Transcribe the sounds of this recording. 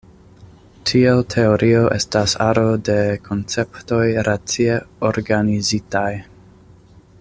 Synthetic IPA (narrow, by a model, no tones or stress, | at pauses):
tʰietʰe̞oɾʔio̞ʔe̞̰stasaɾode̞kʰo̞nt͡se̞pto̞jɾat͡sieoɾɡanizitaj